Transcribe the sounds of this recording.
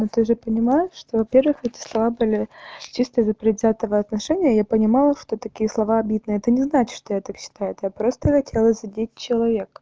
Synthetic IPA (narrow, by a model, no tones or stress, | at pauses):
not̪ɨʐɨpənʲɪmajɪʂt̪o̞vɐpʲe̞rvɨxɛtʲɪ̥slˠɐvabɨlʲɪt͡ɕist̪əzəpɾʲɪd̪zʲat̪əvəɐt̪nɐʂɛnʲɪjəjapənʲɪmɑlˠəʂt̪o̞t̪ɐkʲijəslˠɐvaɐbʲid̪nɨəɛt̪ənʲɪznat͡ɕɪ̥ʂt̪o̞jat̪akɕːɪ̥t̪ajʊɛt̪japɾo̞st̪əxɐtʲʰe̞lˠəzʲɪdʲit̚ʲt͡ɕɪlˠɐvʲe̞k